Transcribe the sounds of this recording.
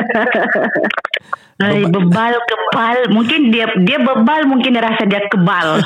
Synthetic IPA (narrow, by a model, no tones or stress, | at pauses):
əjbəbalkəbalmuŋkɪndiadiabəbalmuŋkɪnɾasadiakəbal